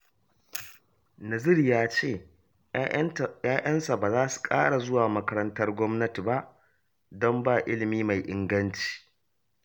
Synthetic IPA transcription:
nɐ˨zɪ˦rjaː˦t͡ʃeː˦˨ | jaː˦ʔɐ˦nsa˨baː˨zaː˦su̥˨kʼa̰ː˦ɽa˨zʊ˦waː˨mɐ˦kɐ˦ɾɐ˦ntɐ˦rɡʷɔ˦mnɐ˦ti˨ba˦ʔ | dɔ˦mbaː˦˨ʔɪ˦lɪ˨miː˦ma˨jʔɪ˨˦ŋɡɐ˦nt͡ʃi̥ː˨

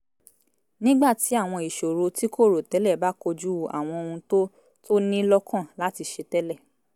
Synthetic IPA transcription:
nĩ˦ɡ͡ba˦˨ti˨˦a˦˨w̃ɔ̃˧i˨ʃo˨ɾo˧ti˦ko˦˨ɾo˨tɛ˨˦lɛ˦˨ba˦ko˧d͡ʒu˦˨a̰˨w̃ɔ̃˧o˧hũ˧to˦ | tʰo˦nĩ˦lɔ˦kʰã˦˨la˨˦ti˧ʃe˧tɛ˦lɛ˦˨

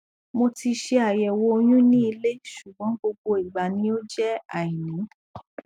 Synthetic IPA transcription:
mo˧ti˧ʃe˧a˨jɛ˨wo˧o˧j̃ũ˦nĩ˦i˧le˦ʃu˨ɡ͡bɔ̃˨˦ɡ͡bo˧ɡ͡bo˧i˨ɡ͡ba˨˧nĩ˧˦o˦d͡ʒɛ˦a˨i˨nĩ˨˦

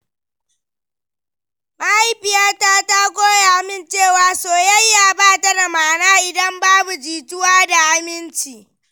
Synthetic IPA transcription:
ma˦ha˦jɸɪ˨jaː˦taː˦ta˦ɡʷoː˦ja˨ʔa˨mɪ˦˨nt͡ʃeː˦˨waː˨soː˨jɐ˦jːaː˨baː˦˨tɐ˦da˨maː˨naː˦ʔɪ˨dɐ˦mbaː˦bu˨d͡ʒiː˨tʊ˦waː˦da˨ʔa˦mɪ˦nt͡ʃiː˨

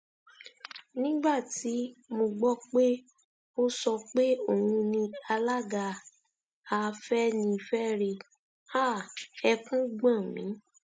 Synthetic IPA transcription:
nĩ˦ɡ͡ba˦˨ti˨˦mo˧ɡ͡bɔ˦k͡pe˦ | o˦sɔ˧k͡pe˦o˦˨hũ˧nĩ˧a˧la˦ɡa˧ | a˧fɛ˦nĩ˧fɛ˦ɾe˧ | a˦˨ɛ˧kũ˦ɡ͡bã˦˨mḭ̃˨˦

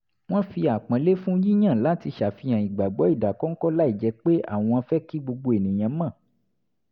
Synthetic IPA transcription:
w̃ɔ̃˦fi˧a˨k͡pã˨˦le˦fũ˦ji˦j̃ã˦˨la˨˦ti˧ʃa˨fi˧˦ã˨i˨ɡ͡ba˨ɡ͡bɔ˨˦i˦˨da˨kɔ̃˦ŋ̩˦kɔ˦la˦i˦˨d͡ʒɛ˧k͡pe˦a̰˦˨w̃ɔ̃˧ã˧fɛ˦ki˦ɡ͡bo˧ɡ͡bo˧e˨nĩ˨j̃ã˧˦mã˦˨

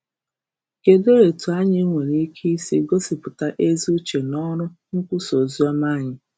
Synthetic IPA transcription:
ke˨de˦ɾe˨tu˨a˦ɲɪ˦ŋʷe˨ɾi˦kʰi˦i˦si˦ɡo˦si˨pʊ˨ta˦ʔe˦zi˦u˦t͡ʃe˨nɔ˦ɾʊ˦ | ŋ̩˦kʷʊ˦so˨zi˦ɔ˦ma˦˨ɲɪ˨

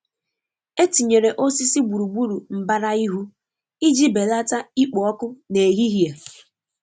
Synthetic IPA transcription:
e˦ti˨ɲe˨ɾe˨ʔo˦si˦si˦ɡ͡bu˨ɾu˨ɡ͡bu˦ɾu˨m̩˨ba˦ɾa˦i˦ɦu˦ | i˦d͡ʒi˦be˨la˦ta˦i˦k͡pɔ˨ɔ˦kʊ˦ne˨ɦi˦ɦi˨a˨

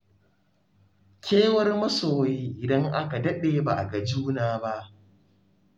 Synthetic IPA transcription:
kʲʰeː˦wɐ˦rmɐ˦soː˨wi˦ʔɪ˨dɐ˦ŋʔa˦ka˨dɐ˦ɗeː˨ba˨ʔa˨ɡɐ˨d͡ʒuː˦naː˨ba˦ʔ

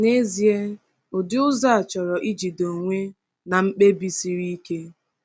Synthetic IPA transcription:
ne˦zi˦e˦ | ʊ˨dɪ˦ʊ˦za˦a˨t͡ʃɔ˨ɾɔ˨ʔi˦d͡ʒi˨do˨ŋʷe˦ | na˨ŋ͡m̩˦k͡pe˦bi˦si˦ɾi˦ke˦

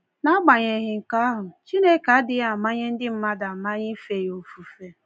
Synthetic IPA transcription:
na˦ɡ͡ba˨ɲe˨ɣɪ˨ŋ̩˨ka˦a˦ɦʊ˨t͡ʃi˦ne˦ka˨a˦dɪ˦ɣa˨ma˦ɲɪ˦n̩˦dɪ˦m̩˦ma˦da˨ma˦ɲɪ˦fe˨jo˨fu˨fe˦

